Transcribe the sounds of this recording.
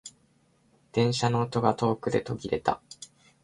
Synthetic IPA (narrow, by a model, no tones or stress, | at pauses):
d̪̥ẽ̞ɰ̃ɕano̞ːt̪o̞ɡat̪o̞ːkɯ̟d̪e̞t̪o̞ɡʲiɾe̞t̪a̰